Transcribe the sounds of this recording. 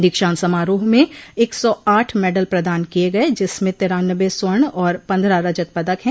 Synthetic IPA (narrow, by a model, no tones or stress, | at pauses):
d̪ɪkʃaːnsɐmaːɾoːɦmẽeːksɔaːʈʰmɛːɖəlpɾɐd̪aːnkieɡɐed͡ʒɪsmẽt̪ɪːɾaːnəʋesəɳɔːɾpɐ̃nd̪ɾaɾɐd͡ʒət̪̚pɐd̪əkɦɛ̃ː